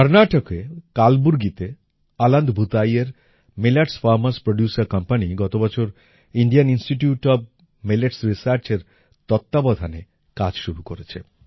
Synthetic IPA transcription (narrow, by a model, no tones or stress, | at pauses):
ɔɾnaʈokekalbuɾɡit̪e | aland̪bʱut̪ajeɾ | melaʈsfaɾmaspɾoɖjusaɾkʌmpaniɡɔt̪obɔt͡ɕʰoɾ | iɳɖianinsʈiʈjuʈɔb̚ | meleʈsɾisaɾt͡ɕeɾ | t̪ɔt̪ːabɔd̪ʱane | kad͡ʑʃuɾukoɾet͡ɕʰḛ